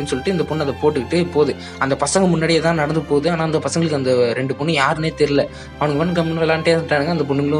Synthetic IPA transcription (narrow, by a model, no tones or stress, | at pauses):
inːɯsɔlːɪʈːɯɪnd̪ɐpʊɳːɐðɐpoːʈːɯkɪʈːɯpːoːðɯ | ɐnd̪ɐpɐsɐŋɡɐmʊnːaːɽiet̪ãːnɐɽɐnd̪ɯpoːðɯaːnaːɐnd̪ɐpɐsɐŋɡɐɭɯkːɯɐnd̪ɐɾɛɳɖɯpʊɳːɯjaːɾɯneːt̪ɛɾɪlɐ | ɐʋɐɳɯŋɡɐʋɐnːɯkɐmpɐnːɐɛlːãːnʈeːʈːaːɽɯŋɡɐːɪnd̪ɐp̬ʊɳːɯŋɡɐɭʊ̃